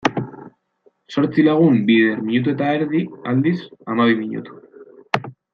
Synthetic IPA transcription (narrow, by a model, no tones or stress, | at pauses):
so̞ɾt͡silaɣ̞umbiðeɾmiɲut̪̬ue̞t̪aeɾðiald̪isamaβimiɲṵt̪u̥